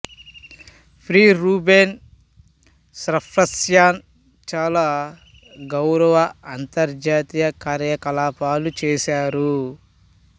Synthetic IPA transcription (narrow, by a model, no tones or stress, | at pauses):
pʰɾiːɾuːbeːn | sɾɐpʰɾɐsjaːn | t͡ʃaːlaː | ɡɐwɾɐʋɐɐnt̪ɐɾd͡ʒaːt̪ijɐkaːɾjɐkɐlaːpaːlut͡ʃɛːʃaːɾu